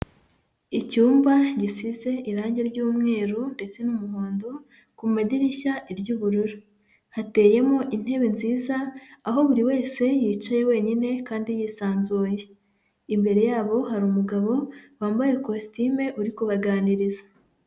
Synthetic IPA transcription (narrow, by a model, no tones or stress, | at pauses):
icuːmbaɟisize̞ʔiɾaːɲɟeɾɟuːmŋe̞ːɾunde̞t͡se̞numuɦoːndo | kumaɟiɾiçaʔiɾɟuːβuɾuɾu | hate̞je̞mo̞ʔin̥he̞βenziːzaːɦo̞βuɾiwe̞ːse̞jiːt͡ʃaje̞we̞ːɲine̞kaːndijiːsaːnzuːje | imbe̞ɾe̞jaːβo̞ɦaɾuːmuɡaβo̞waːmbajekositime̞ʔuɾikuβaɡaːniɾiza